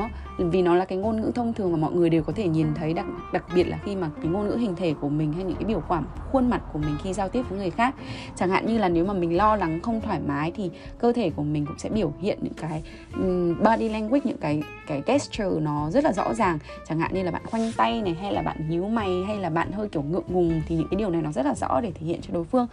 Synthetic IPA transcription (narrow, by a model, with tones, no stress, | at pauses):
vi˨˩nɔ˨˦laː˨˩kaː˨˦jŋo˧nŋɨ̰˧˥t̪ʰə˧wŋ͡mt̪ʰɨ˨˩əŋmaː˨˩mɔ̰˧˨jŋɨ˨˩əjɗe˨˩wkɔ˨˦t̪ʰe˧˩ɲi˨˩nt̪ʰə˨˦jɗ̚ɗa˨˩k̚ɓi˨˩ət̚laː˨˩xi˧maː˨˩kaː˨˦jŋo˧nŋɨ̰˧˥hï˨˩ŋ̟t̪ʰe˧˩ku˧˩əmï˨˩ŋ̟ha˧jɲɨ̰˧˥kaː˨˦jɓi˧˩wkwaː˧˩mxwə˧ənma˨˩t̚ku˧˩əmï˨˩ŋ̟xi˧zaː˧wt̪i˦˥əp̚vəː˨˦jŋɨ˨˩əjxaː˦˥k̚t͡ɕaː˧˩ŋha̰ː˧˨nɲɨ˧laː˨˩ne˨˦wmaː˨˩mï˨˩ŋ̟lɔ˧la˨˦ŋxə˧wŋ͡mt̪ʰwaː˧˩jmaː˨˦jt̪ʰi˨˩ | kəː˧t̪ʰe˧˩ku˧˩əmï˨˩ŋ̟kʊ̰˧˥ŋ͡msɛ̰˧˥ɓi˧˩əwhḭ˧˨ənɲɨ̰˧˥ŋkaː˨˦j | ɓaː˧ɗi˧lɛ˧ŋkwi˦˥t̚ɲɨ̰˧˥ŋkaː˨˦j | kaː˨˦jkɛ˦˥st͡ɕəː˨˩nɔ˨˦zə˦˥t̚laː˨˩zɔ̰˧˥zaː˨˩ŋ | t͡ɕaː˧˩ŋha̰ː˧˨ɲɨ˧aː˨˩ɓa̰ː˧˨nxwa˧jŋ̟t̪a˧jna˨˩jɦa˧jlaː˨˩ɓa̰ː˧˨nɲi˨˦wma˨˩jɦa˧jlaː˨˩ɓa̰ː˧˨nhəː˧jki˧˩əwŋɨ̰˧˨əŋŋʊ˨˩ŋ͡mt̪ʰi˨ɲɨ̰˧˥ŋkaː˨˦ɗi˩əwna˨˩jnɔ˨˦zə˦˥t̚laː˨˩zɔ̰˧˥ɗe˧˩t̪ʰe˧˩hḭ˧˨ənt͡ɕɔ˧ɗo˨˦jfɨ˧əŋ